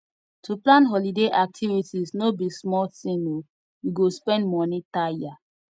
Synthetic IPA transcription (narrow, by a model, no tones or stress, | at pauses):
tʰuplãnɦɔlideʔak̚tʰivitisnobismɔltĩno | wiɡospɛ̃ndmɔnitajia